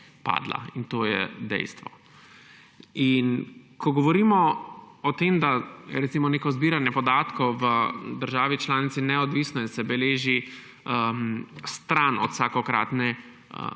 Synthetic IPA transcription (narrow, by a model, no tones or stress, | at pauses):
pa̰ːd̪la̰int̪oːjɛ̰d̪ɛ̰jst̪ʋɔ̰ | inkʰɔɡɔʋɔɾiːmɔɔt̪eːmd̪ajɛɾɛt̪simɔneːkɔzbiːɾanjɛpɔd̪aːt̪kɔwʋəd̪əɾʒaːʋit͡ʃlaːnit̪sinɛɔd̪ʋiːsnɔiɛnsɛbɛleːʒi | əmst̪ɾanɔt̪saːkɔkɾa̰ːt̪nɛ